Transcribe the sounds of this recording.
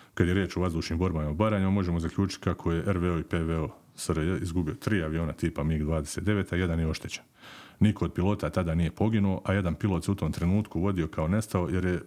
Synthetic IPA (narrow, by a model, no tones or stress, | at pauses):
kad̪je̞ɾje̞ːt͡ʃoʋazd̪uːʃniːmbo̞ɾbamaobaɾaɲumamo̞ʒemozakʎʲuːt͡ʃi̥t̪ʲkakʰo̞je̞ʔeɾʋeoipeʋeo | səɾizɡubio̞t̪ɾiːaʋijo̞ːnat̪iːpamiɡd̪ʋaːd̪ese̞ːt̪d̪e̞ʋe̞ːt̪aje̞d̪anjeo̞ʃt̪e̞t͡ɕe̥n | nikʰo̞ːd̪̚pilˠo̞ːt̪at̪ad̪aːnije̞po̞ɡinuo̞ʔaje̞d̪anpilˠo̞t̪seut̪o̞ːmt̪ɾe̞nuːt̪kuʋo̞d̪io̞kao̞ne̞st̪ao̞je̞ɾje